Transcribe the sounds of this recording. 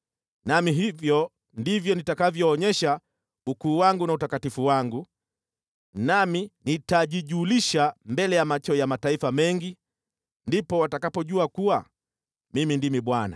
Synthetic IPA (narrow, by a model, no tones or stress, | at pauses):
namiɦivjɔ | ndivjɔnitakavjɔːɲɛʃa | ukuːwaŋɡunautakatifuwaŋɡu | naminitaʄiʄuːliʃambɛlɛjamat͡ʃɔjamataifamɛŋɡi | ndipɔwatakapɔʄuakuwa | mimindimiɓwana̰